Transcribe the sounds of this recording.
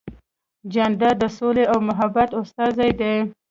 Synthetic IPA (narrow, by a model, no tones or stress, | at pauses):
d͡ʒanɖad̪əsoleawmʊɦabat̪ost̪ɑzajd̪e